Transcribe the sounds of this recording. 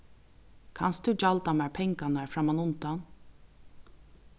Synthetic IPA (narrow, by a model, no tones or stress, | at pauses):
kʰa̰nst̪d̪ʉd͡ʒalt̪amæːɹpʰɛŋkanaɹfɾamanʊnt̪an